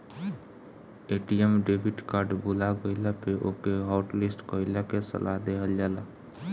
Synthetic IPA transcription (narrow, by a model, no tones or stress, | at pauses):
eʈiemɖebʱiʈkaɾɖbulaɡəɪlapeʔokeɦɔʊʈlisʈkəɪləkesə̰laɦd̪eɦəld͡ʒala